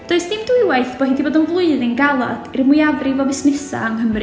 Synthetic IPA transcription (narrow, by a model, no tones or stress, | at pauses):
d̥oɨsd̥ɪmdɪwaɨθb̥ɔhindiboːdənvlˠʊɨðɪnɡalˠa̰d̥irmʊjavrɪvɔvɪsnɪsa̰aŋɦəmri